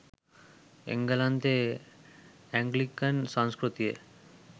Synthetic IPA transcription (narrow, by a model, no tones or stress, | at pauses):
ḛŋɡalant̪e | ɛŋɡlikansãŋskɾut̪ie